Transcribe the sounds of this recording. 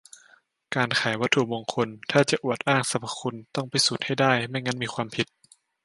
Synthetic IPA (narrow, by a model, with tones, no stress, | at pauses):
kaː˧nkʰaː˩˦jwa˦˥t̪ʰu˨˧˩moː˧ŋkʰo˧nt̪ʰaː˥˩t͡ɕa˨˩ʔu˨˩ət̪̚ʔaː˥˩ŋsa˧˦pʰa˧kʰu˧nt̪ɔ˥˩ŋpʰi˧˦suː˨˩t̪̚ha˥˩jdaː˥˩jma˥˩jŋa˦˥nmiː˧kʰwaː˧mpʰi˨˧˦t̪̚